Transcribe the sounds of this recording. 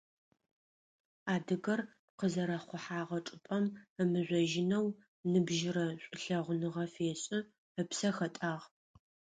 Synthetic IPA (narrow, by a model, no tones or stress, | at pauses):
aːdɨɣɐr | p̚qəzɐɾɐχʷʊħaːʁɐʈ͡ʂʼɨpʼɐməmɨʑʷɔʒɪnɐw | nɨbʒɪɾɐɕʷʼʊɬɐʁʷʊnɨʁɐfeːɕʼɪ | əpsɐxɐtʼaːʁ